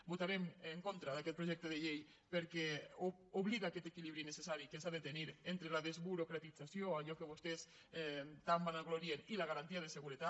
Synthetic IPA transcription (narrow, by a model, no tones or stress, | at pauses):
but̪aɾemeŋkont̪ɾaðaket̪̚pɾoʒek̚t̪eð̞eʎej | peɾke | oβliðaːket̪ekiliβɾinesesaɾikesaðet̪eniɾent̪ɾelaðezβuɾokɾat̪it͡sasjoaʎokeβ̞ust̪es | t̪ambanaɣloɾienilaɣ̞aɾant̪iað̞eseɣ̞uɾet̪at